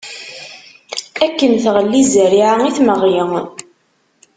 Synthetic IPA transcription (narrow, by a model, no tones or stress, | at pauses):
ækːənθʁəlːizɾiʕaŋiθməʁjəŋ